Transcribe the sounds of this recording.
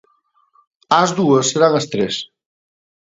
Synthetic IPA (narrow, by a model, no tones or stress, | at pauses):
azðuəsːəɾanəst̪ɾes